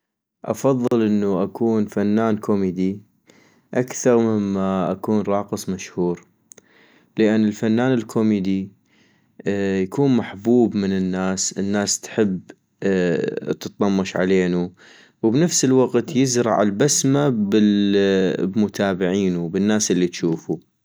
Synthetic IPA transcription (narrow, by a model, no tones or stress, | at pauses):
ʔɑ̰fɑðˤːɨlʔɪnːuʔakʰuːnfanːaːnkʰomid̪i | ʔakθɑɾˤmɪmːaʔakuːnɾˤɑːqɨsˤmaʃhuːɾ | lɪʔanːɪlfanːaːnɪlkʰomid̪i | jakuːnmaħbuːbmɪnɪnːaːsənːaːst̪ħɪbː | t̪ɨt̪̚ˤːɑmːɑʃʕa̰leːnu | wbnafsəlwaqt̪jɪzɾˤɑ̰ʕɪ̰lbasmabɪ | bmʊt̪ʰaːbɪʕiːnubɪnːaːsʔɪlːit̪ʃuːfu